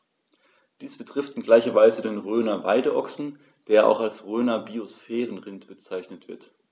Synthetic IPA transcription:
d̥iːsb̥ətʁ̥ɪftɪnɡlaɪçɐvaɪzədeːnʁøːnɐvaɪdəʔɔksn̩ | d̥eːɐʔa̰ʊxalsʁøːnɐbiosfɛːʁənʁɪntb̥ət͡saɪçnətv̥ɪɐt

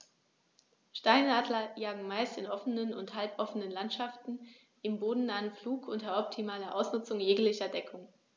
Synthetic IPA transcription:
ʃtaɪnaːdlɐjaːɡŋ̩maɪstɪnʔɔfənənʊnthalpʔɔfənənlantʃaftn̩ | ʔɪmboːdn̩naːənfluːkʔʊntɐɔp̚tʰimaːlɐʔaʊsnʊt͡sʊŋjeːklɪçɐdɛkʰʊŋ

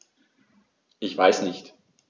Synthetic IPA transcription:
ʔɪçv̥aɪsnɪçt

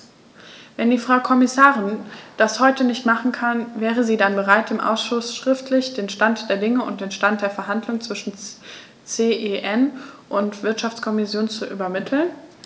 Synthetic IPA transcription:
vɛndiːfʁ̥aʊkʰɔmɪsaːʁɪnd̥ashɔʏtənɪçtmaχn̩kʰanvɛːʁ̞əziːdanbəʁaɪtɪmʔa̰ʊsʃʊsʃʁ̥ɪftʰlɪçd̥eːnʃtantd̥eːɐdɪŋəʊ̰nt̚d̥eːnʃtant̚d̥eːɐfɛɐɦandlʊŋt͡sv̥ɪʃn̩ | t͡seːʔeʔɛnʔʊntv̥ɪɐtʃaft͡skʰɔmɪsjoːnt͡suʔy̰bɐmɪtʰl̩n

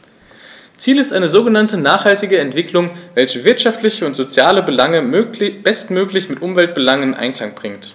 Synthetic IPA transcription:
t͡siːlɪstʔaɪnəzoːɡənantənaːχhaltɪɡəɛntv̥ɪklʊŋvɛlçəvɪɐtʃaftlɪçəʊntz̥ot͡sjaːləbəlaŋəb̥ɛstmøːklɪçmɪtʔʊmvɛlt̚b̥əlaŋɪnʔa̰ɪnkl̥aŋb̥ʁɪŋt

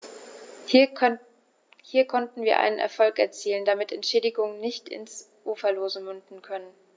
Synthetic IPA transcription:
hiːɐkʰɔntn̩viːɐʔa̰ɪnənʔɛ̰ɐfɔlkɛ̰ɐt͡siːləndamɪtʰɛntʃɛːdɪɡʊŋənnɪçtʰɪ̰ns | ʔuːfɐloːzəmʏndn̩kʰœnən

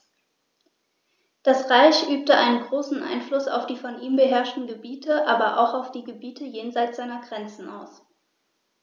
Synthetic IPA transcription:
d̥asʁaɪçʔyːp̚təʔa̰ɪnənɡʁoːsn̩ʔa̰ɪnflʊsa̰ʊfd̥iːfɔnʔiːmbəɦɛɐʃtn̩ɡəbiːtʰəʔaːbɐʔa̰ʊxaʊfd̥iːɡəbiːtʰəjeːnzaɪt͡sz̥aɪnɐɡʁɛnt͡sn̩a̰ʊs

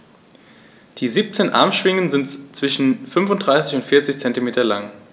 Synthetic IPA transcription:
d̥iːziːp̚t͡seːnʔa̰ɐmʃv̥ɪŋənzɪntt͡sv̥ɪʃn̩fʏnfʊntd̥ʁaɪsɪçʊntfɪɐt͡sɪçt͡sɛntimeːtɐlaŋ

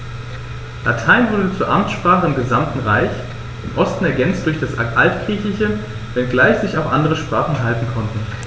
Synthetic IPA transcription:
lʔatʰaɪnvʊɐdət͡suːɐʔamt͡sʃpʁ̥aːχəɪmɡəzamtn̩ʁaɪç | ɪmʔɔstn̩ɛɐɡɛnt͡st̚d̥ʊɐçd̥asʔaltɡ̥ʁ̥iːçlɪçə | vɛnɡlaɪçz̥ɪçaʊxʔandəʁəʃpʁ̥aːχn̩ɦaltn̩kʰɔntn̩

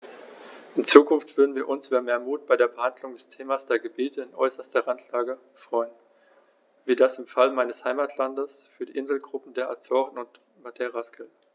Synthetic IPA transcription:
ʔɪnt͡suːkʊnftv̥ʏɐdn̩viːɐʔʊnsʔyːbɐmeːɐmuːt̚b̥aɪdeːɐbəhandlʊŋdɛstʰeːmasd̥eːɐɡəbiːtʰəɪnʔɔ̰ʏsɐstɐʁantʰlaːɡə | fʁ̥ɔʏən | viːɐdasɪmfalmaɪnəshaɪmaːtʰlandəsfyːɐdiːʔɪnzl̩ɡʁʊpm̩deːɐʔat͡sɔːʁən̩ʊnt | matʰeʁaskʰəl

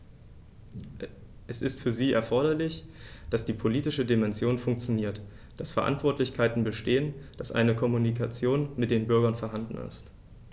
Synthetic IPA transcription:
ʔɛsɪstfyːɐziːɛɐfɔɐɾɐlɪçd̥asd̥iːpʰoliːtɪʃədimɛnzjoːnfʊŋk̚t͡sjoniːɐt | d̥asfɛɐʔa̰ntv̥ɔɐtlɪçkʰaɪtn̩bəʃteːənd̥asʔa̰ɪnəkʰɔmunikʰat͡sjoːnmɪt̚d̥eːnbʏɐɡɐnfɛɐɦandn̩ɪ̰st

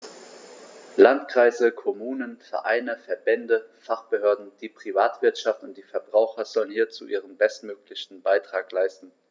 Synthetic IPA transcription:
lantkʁ̥aɪzəkʰomuːnənfɛɐʔa̰ɪnəfɛɐbɛndəfaχb̥əhøːɐdn̩d̥iːpʁ̥ivaːtv̥ɪɐtʃaftʊntd̥iːfɛɐbʁaʊxɐzɔlənhiːɐt͡suʔiːʁ̞ənbɛstmøːklɪçn̩baɪtʁ̥aːklaɪstn̩

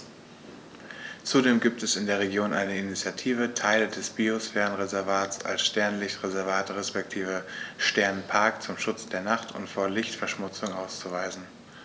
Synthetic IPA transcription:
t͡sudeːmɡiːp̚tɛsɪndeːɐʁ̞eɡjoːnʔa̰ɪnəinit͡sjatʰiːvətʰaɪlədɛsb̥iosfɛːʁənʁezɛɐvaːtsa̰lsʃtɛɐnlɪçtʁezɛɐvaːtʁɛspɛk̚tʰiːvəʃtɛɐnnpʰaɐkt͡sʊmʃʊt͡sd̥eːɐnaχtʰʊ̰ntfoːɐlɪçtfɛɐʃmʊt͡sʊŋʔaʊst͡suvaɪzn̩

